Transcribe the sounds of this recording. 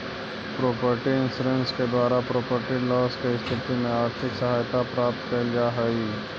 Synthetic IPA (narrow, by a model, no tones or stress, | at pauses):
pɾoːpəɾʈiɪ̃nsɾənsked̪waːɾapɾoːpəɾʈilɔːskest̪ʰɪt̪imẽaːɾt̪ʰɪksəɦaːjt̪apɾaːp̚t̪kəld͡ʒaɦəi